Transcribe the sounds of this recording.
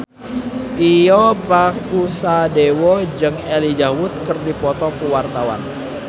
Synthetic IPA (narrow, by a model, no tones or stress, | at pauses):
t̪iɔpakusadewɔd͡ʒɨŋɛlid͡ʒawʊt̪̚kərdipɔt̪ɔkəwart̪awa̰n